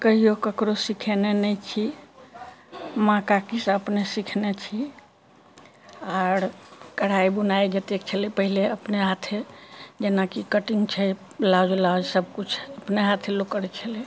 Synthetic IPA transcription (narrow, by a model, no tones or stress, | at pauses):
kəɦijokəkɾosikʰenenɛjt͡ʃʰi | mãkakisəpnesikʰnet͡ʃʰi | aɾkəɽ̤aibunajd͡ʒet̪ek̚t͡ʃʰəlepəɦileəpneɦat̪ʰed͡ʒenakikəʈiŋɡt͡ʃʰɛ | lad͡ʒlad͡ʒsəb̚kut͡ʃʰəpneɦat̪ʰelokəɾt͡ʃʰəle